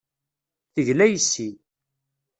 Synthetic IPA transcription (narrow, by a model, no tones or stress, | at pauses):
θəʝlæjəsːi